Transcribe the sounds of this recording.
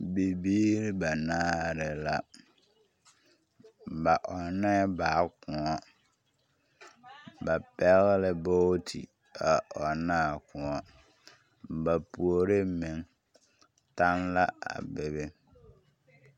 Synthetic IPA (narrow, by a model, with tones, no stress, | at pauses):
bi˨biː˦ɾɪ˦ba˨naː˦ɾɪ˨la˨ | ba˨ʔɔ˨nɛ˦ba˨˦kʊ˨ɔ˦ | ba˨pɛ˦ɣlɪ˦bo˦tʰḭ˨ | a˨ʔɔ˨naː˦˨kʊ̃˨ɔ˨ | ba˨pu˨o˨ɾɪ˦mɪ˨ŋ | ta˦nla˦a̰˨bɪ˦βɪ˦